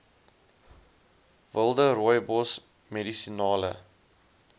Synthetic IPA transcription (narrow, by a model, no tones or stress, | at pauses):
vəlˠdəɾɔjbɔs | medisinɑːlə̰